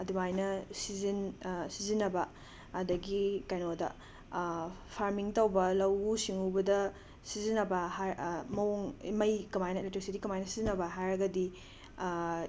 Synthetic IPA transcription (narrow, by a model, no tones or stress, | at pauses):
ɐdumajnɐsizinsizinːɐbɐː | dɐɡikajnodɐ̰ | pʰaɾmiŋtɐwbɐlɐwusiŋubɐdɐ | sizinːɐbɐɦamɐwoŋḭmɐjkɐmajnɐletɾisidikɐmajnɐsizinːɐbɐɦajɾɐɡɐdi